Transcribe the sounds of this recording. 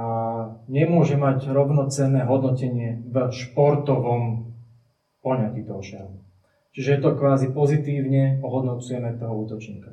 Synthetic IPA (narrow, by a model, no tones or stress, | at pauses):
aɲɛmʊɔʒɛmaɟɾɔʋnɔt͡sɛnːɛːɦɔd̪nɔcɛɲɪɛvəʃpɔɾt̪ɔʋɔm | pɔɲakit̪ɔɦɔʃaɦu | t͡ʃiʒɛjɛt̪ɔkʋaːzipɔzit̪iːʊɲɛɔɦɔd̪nɔt͡sujɛmɛt̪ɔɦɔuːt̪ɔt͡ʃɲḭːka